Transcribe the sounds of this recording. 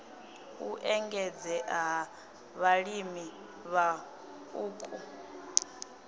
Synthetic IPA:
uʔɛŋɡɛd͡zɛʔɦa | βaɺimi | βa | uːkʼu

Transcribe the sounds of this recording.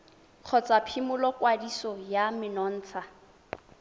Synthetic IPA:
q͡χʰɔt͡sapʰimʊlɔkwadisɔjamɪnɔn̩ːt͡sʰa

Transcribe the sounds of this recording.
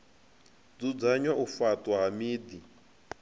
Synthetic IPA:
d͡zud͡zaɲwaʔufatʼwaɦamiːdi

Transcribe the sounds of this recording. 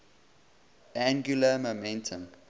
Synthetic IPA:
ʔæ̃ŋɡjuləmomɛ̃ntʰə̃ŋ

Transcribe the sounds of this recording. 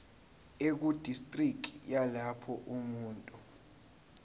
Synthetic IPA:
ek̬ud̥ʱistʼrikʰʼijalapʰɔʔumuːntʼu

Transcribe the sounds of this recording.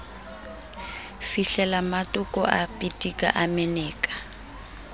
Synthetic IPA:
fiɬɛlamatʊkɔ̰ʔapʼitʼikʼa̰ʔamɛnɛːkʼḁ

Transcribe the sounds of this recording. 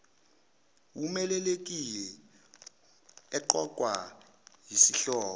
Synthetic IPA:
wumɛlɛlek̬ʼilɛ | ɛǃɔk̬ʼwa | jisiɬɔːɔ

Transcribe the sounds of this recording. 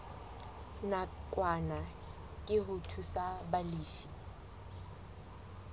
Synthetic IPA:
nakʼwana | kʼɪɦʊtʰusabaliːfi

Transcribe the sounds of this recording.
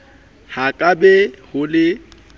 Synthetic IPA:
hakʼabɛhʊlɪ

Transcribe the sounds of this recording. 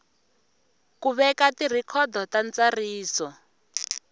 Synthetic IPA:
kuβɛkatir̤ikʰɔd̪ʱɔtant͡sariːsɔ

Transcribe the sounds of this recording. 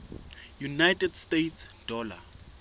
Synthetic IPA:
junajtʰʼɛdstetʰsd̥ɔːla̰

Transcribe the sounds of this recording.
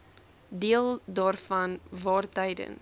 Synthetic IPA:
diəlˠdɑːrfɐnvɑːrtɛjdə̰n

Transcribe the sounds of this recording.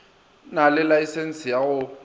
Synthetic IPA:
nalɪlaisɛn̩sɪjaɣʊ

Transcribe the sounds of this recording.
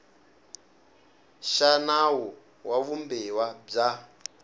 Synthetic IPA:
ʃanawɔ | wʔaβumbɛwab͡ʐa

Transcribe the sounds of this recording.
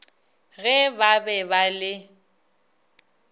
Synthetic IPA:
ɣɛbabɛbalɪ

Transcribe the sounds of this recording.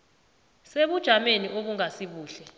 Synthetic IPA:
seɓud̥ʒ̥ʱameniʔoɓuŋasiɓuːɬɛ

